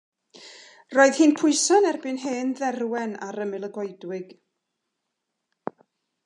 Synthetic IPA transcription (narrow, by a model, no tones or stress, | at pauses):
roːɨðhiːnpʰʊɨsɔnɛrbɨnɦeːnðɛrwɛnaɾəmɪlˠəɡɔɨdwɪɡ̥